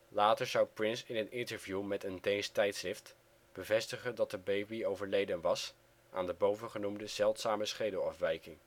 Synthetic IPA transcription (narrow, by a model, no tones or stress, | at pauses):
laːtəɹzʌwprɪnsɪnənɪntəɹvjumɛtəndejstɛjtsrɪft | b̥əvɛstəχəndɑt̚dəbejbiowvəɹlejdənʋɑs | ʔa̰ːndəbowvəχənumdəzɛlˠtsaːməsχejdəlˠɑfʋɛjkɪŋ